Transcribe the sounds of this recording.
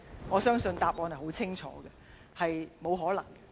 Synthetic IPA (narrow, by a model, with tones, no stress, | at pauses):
ŋɔː˨˧sœː˥ŋsɵ˧nt̪aː˨p̚ʔɔː˧nhɐ˨˩ho˨˥wt͡sʰɪ˥ŋt͡ʃʰɔ̰ː˨˥ɡɛ˧ | hɐ˨jmo˨˧wɦɔː˨˥lɐ̰˨˩ŋɡɛ˧